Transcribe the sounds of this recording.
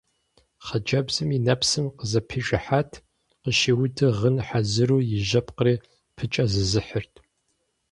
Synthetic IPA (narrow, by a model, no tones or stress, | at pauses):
χɐd͡ʒɐbzɨminɐpsɨmqəzɐpʰiʒɨħatʰ | qəʃiːwʊdɨʁənħazɨɾuːjɪʒɐpʰʼqəriː | pʰɨt͡ʃʼɐzɨzɨħərtʰ